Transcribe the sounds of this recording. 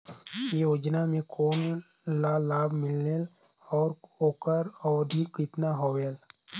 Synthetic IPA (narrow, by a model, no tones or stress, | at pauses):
joːd͡ʒnamẽkʰoːn | lalaːbʱmɪlnel | ɔːɾoːkəɾɔːd̪ʱikɪt̪naɦoːʋeːl